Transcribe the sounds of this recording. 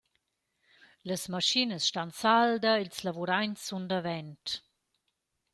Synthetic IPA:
ləsmaʃinəsʃtansaldəilslavuɾajnsːundəvɛnt

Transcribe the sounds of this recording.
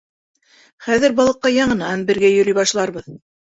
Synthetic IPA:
χæðɘɾbɑlˠɤ̆qːɑjɑɴɤ̆nɑnbɘ̆ɾɡæjɵ̆ɾijbɑʃlˠɑɾβɤð

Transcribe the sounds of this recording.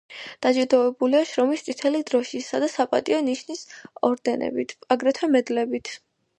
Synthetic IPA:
d̪̥ad͡ʒud̪ɔɛbuliaʃɾɔmist̪sʼit̪ʰɛlid̪ɾɔʃisad̪asapʼat̪ʼiɔniʃnisɔɾd̪ɛnɛ̰bit̪ʰaɡɾɛt̪ʰɛmɛd̪lɛbit̪ʰ

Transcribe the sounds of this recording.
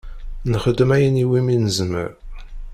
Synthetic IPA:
nχəd̪ːəmæjəniwiminəzmə̰ɾ

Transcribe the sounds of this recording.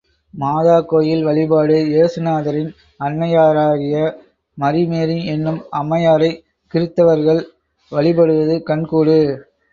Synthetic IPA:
maːðaːkːoːjɪlʋɐɭɪbaːɽɯeːsɯnaːðɐɾɪn | ɐnːɐjaːɾaːɣɪjɐ | mɐɾɪmeːɾiɛnːɯmɐmːɐjaːɾɐɪ | kɪɾɯt̪ːɐʋɐɾɣɐɭ | ʋɐɭɪbɐɽɯʋɐðɯkɐɳkuːɽɯ

